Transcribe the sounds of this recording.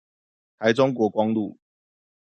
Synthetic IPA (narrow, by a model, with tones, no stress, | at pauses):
t̪ʰa˨˦ɪʈ͡ʂʊ˥˦ŋk̬wɔ˨˥kwɑ˦ŋlu˥˨